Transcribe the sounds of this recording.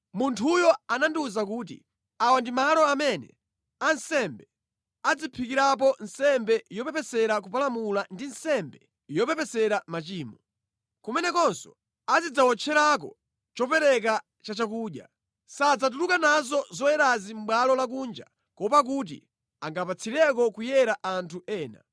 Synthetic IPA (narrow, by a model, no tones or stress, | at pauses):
muntʰujɔananduzak̬uːtḭ | awandimalɔamɛnɛ̰ | ansɛmbɛ | ad͡zipʰikiɾap̬ɔnsɛmbɛjɔpɛpɛsɛɾak̬upalamulandinsɛmbɛ | jɔpɛpɛsɛɾamat͡ʃiːmɔ | kumɛnɛkɔnsɔ̰ | azid͡zawɔt͡ʃʰɛɾak̬ɔ̰ | t͡ʃɔpɛɾɛk̬a | t͡ʃat͡ʃak̬uːɗja̰ | sad͡zat̬ulukanazɔzɔjɛɾazim̩ɓwalɔlak̬uːnd͡ʒa̰ | kɔpak̬ut̬ḭ | aŋɡapat͡sʰiɾɛk̬ɔkujɛɾaʔantʰuʔɛːna̰